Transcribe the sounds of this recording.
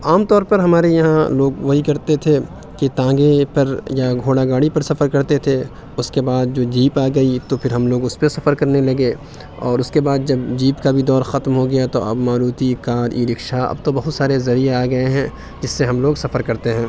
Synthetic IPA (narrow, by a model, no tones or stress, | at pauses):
aːmt̪ɔːɾpɐɾɦɐmaːɾejɐɦãloːɡʋoɦikɐɾt̪et̪ʰe | kit̪ãːɡepɐɾjaɡʱoːɽaɡaːɽipɐɾsɐfəɾkɐɾt̪et̪ʰe | ʊskebaːd̪̚d͡ʒoːd͡ʒiːpaːɡɐit̪opʰɪɾɦɐmloːɡʊspesɐfəɾkɐɾnelɐɡe | ɔ̰ːɾʊskebaːd̪d͡ʒɐbd͡ʒiːpkabʱid̪ɔːɾxɐt̪mɦoɡɐjat̪oɐ̰bmaːɾuːt̪ikaːɾiːɾɪkʃaɐ̰b̚t̪obɐɦʊt̪saːɾezɐɾijeaːɡɐeɦɛ̃ː | d͡ʒɪsːeɦɐmloːɡsɐfəɾkɐɾt̪eɦɛ̃ː